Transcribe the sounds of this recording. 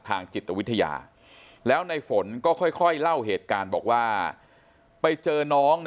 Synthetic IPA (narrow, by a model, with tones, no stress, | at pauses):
t̪ʰaː˧ŋt͡ɕi˨˩t̪̚ːa˧i˦˥t̪ʰa˧ja̰ː˧ | lɛː˦˥wna˧jfo˩˦nkɔː˥˩kʰɔ˥˩jkʰɔ˥˩jla˥˩wɦeː˨˩t̪̚kaː˧nbɔ̰ː˨˩k̚waː˥˩ | pa˧jt͡ɕɤː˧nɔː˦˥ŋ